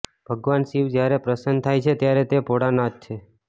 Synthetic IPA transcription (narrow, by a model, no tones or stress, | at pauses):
b̥ʱəɡʋansiʋd͡ʒjaɾepɾəsənt̪ʰajt͡ʃʰet̪jaɾet̪epoɽanad͡ʒ̚t͡ʃʰe